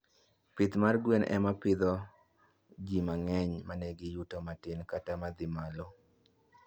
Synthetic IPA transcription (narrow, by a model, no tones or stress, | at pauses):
pɪt̪marɡwenʔɛ̰mapɪd̪ɔ | d͡ʒimaŋɛɲmanɛɡɪjʊtɔmatɪnkatamad̪ɪmalo